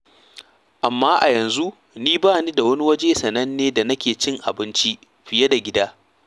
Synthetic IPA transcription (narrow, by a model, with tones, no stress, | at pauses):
ʔa˨mːaː˦ʔa˨jɐ˨nzu˦ | niː˦baː˦˨niː˦da˨wɐ˦ni˦wɐ˦d͡ʒeː˦sɐ˨nɐ˦nːeː˦da˨nɐ˦kʲeː˨t͡ʃɪ˦ŋʔa̰˨bɪ˦nt͡ʃi˦ | ɸɪ˨je˦da˨ɡʲɪ˦daː˦